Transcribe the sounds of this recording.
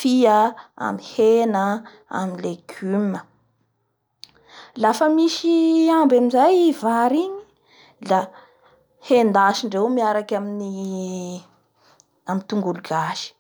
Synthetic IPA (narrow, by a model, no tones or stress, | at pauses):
fiəa̰mihenə | a̰minleɡ̥ymə | lafəmiʃiambamizajivaɾiɲi̥ | la | hend̪aʃiɳɖ͡ʐewmiaɾakʲamini | amit̪uŋɡuluɡaʃi̥